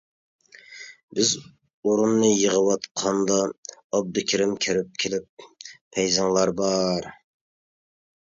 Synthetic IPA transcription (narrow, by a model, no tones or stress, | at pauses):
bɪz | uɾunːɨjəʁəwɑt̪qʰɑnd̪ɑːb̚d̪ɨkʲʰɪɾɪmkʲʰɪɾɪp̚kʲʰelɪp̚ːʰɛjzɑŋlˠɑɾbɑɾ